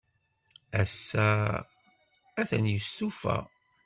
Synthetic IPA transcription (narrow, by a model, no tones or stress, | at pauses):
æsːæ | æθənjəst̪ufæ̰